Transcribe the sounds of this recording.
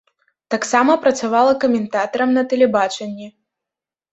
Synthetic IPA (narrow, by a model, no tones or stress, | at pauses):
t̪aksamɐpɾɐt̪savalˠɐkɐmʲɛnt̪at̪ɐɾɐmnɐt̪ɛlʲɛbat͡ʂɛnʲːɛ